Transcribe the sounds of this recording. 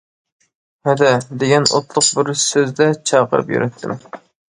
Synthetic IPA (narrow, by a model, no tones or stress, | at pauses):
hɛd̪ɛd̪eɡʲɛno̰t̪lˠʊqbɪɾsøzd̪ɛt͡ʃʰɑːqə̰ɾɨ̰pjy̰ɾɛt̪ʰːɪm